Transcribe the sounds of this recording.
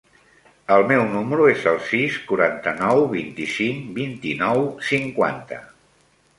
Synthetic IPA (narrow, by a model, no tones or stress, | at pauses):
əlˠmɛwnuməɾuezəlˠsiskuɾant̪ənɔwβint̪isiŋbint̪inɔwsiŋkwa̰nt̪ə̰